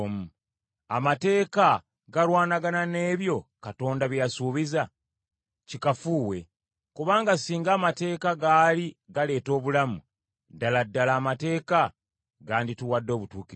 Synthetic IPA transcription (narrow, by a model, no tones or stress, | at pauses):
mu | amate̞ːka | ɡaɾwaːnaɡanane̞ːβjo̞kato̞ːndaβjjasuːβiza | cikafuːwe̞ | kuβaːŋɡasiːŋɡaːmate̞ːkaɡaːliɡale̞ːto̞ːβulamu | daladːalaːmate̞ːka | ɡaːndituwadːo̞ːβutuːki